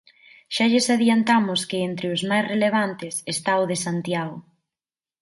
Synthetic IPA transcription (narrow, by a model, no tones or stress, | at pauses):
ʃaʎesaðjant̪amʊskɪent̪ɾɪʊzmajsreleβ̞ant̪ɪsest̪aʊðesant̪jaɣʊ